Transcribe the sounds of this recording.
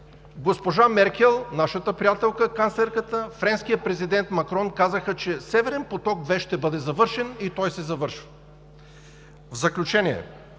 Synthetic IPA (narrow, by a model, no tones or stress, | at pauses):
ɡospoʒamɛɾkɛlˠnaʃət̪əpɾʲijat̪ɛlˠkəkanslɛɾkət̪əfɾɛnskijəpɾɛzid̪ɛnt̪mɐkɾɔnkazəxət͡ʃɛsɛvɛɾɛnpot̪ɔkd̪vɛʃt̪ɛbɤd̪ɛzɐvɤɾʃɛnit̪ɔjsɛzɐvɤɾʃvə | vzɐklʲut͡ʃɛniɛ̰